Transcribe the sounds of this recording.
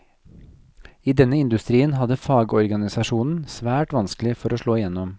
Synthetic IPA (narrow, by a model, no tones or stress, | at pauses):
iːd̪ɛnːəɪnd̪ʉst̪ɾiːənhɑd̪əfɑːɡɔɾɡɑnɪsɑʃuːnn̩sʋæːʈʋɑnsklɪfɔɾoːʂɭoːɪjɛnːɔm